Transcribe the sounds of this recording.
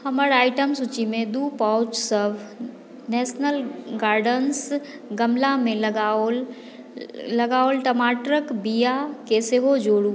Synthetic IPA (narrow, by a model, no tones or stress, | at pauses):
hɐməɾaːɪʈəmsut͡ʃimẽd̪uːpaʊt͡ʃsəb | nɛːʃnəlɡaːɾɖəns | ɡɐmlamẽll | lɐɡaːolʈəmaːʈɾəkbijakeseɦod͡ʒoːɽu